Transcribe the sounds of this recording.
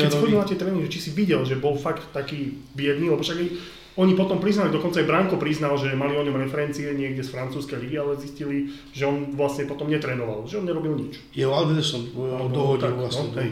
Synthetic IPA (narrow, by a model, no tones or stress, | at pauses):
kɛsspɔʋiɛlatɛt̪ɾɛːniʒɛt͡ʃisiʋiɟɛlʒɛbɔlfakt̪ːakiːbɪɛd̪niːlɛbɔfʃaɡa | ɔɲipɔt̪ɔmpɾiznalt̪ːaɡd̪ɔkɔnt͡saajbɾaŋkɔpɾiznalʒɛmaliɔɲɔmɾɛfɛɾɛnt͡siɛɲɪɛɡɟɛsfɾant͡suːskɛjliɡialɛziscili | ʒ̥ɛɔnʋlasɲɛpɔt̪ɔmɲɛt̪ɾɛːnɔʋa̰lʒɛɔnɲɛɾɔbilɲit͡ʃ | jɛɔad̪ʋɛɾt̪at͡ʃnɔmd̪ɔɦɔt̪aasɔɦɛj